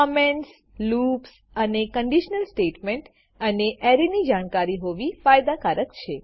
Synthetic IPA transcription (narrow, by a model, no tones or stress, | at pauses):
kəmens | lups | ənekəɳɖiʃnəlsʈeʈmeɳʈ | əneʔɛɾinid͡ʒaɽ̃kaɾiɦoʋifajd̪akaɾəkt͡ʃʰe